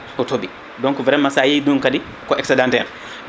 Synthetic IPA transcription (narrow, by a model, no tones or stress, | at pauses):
ɔtobi | dɔŋkuvɾɛmːasajiduŋkadi | kɔʔɛksɛdãntɛɾ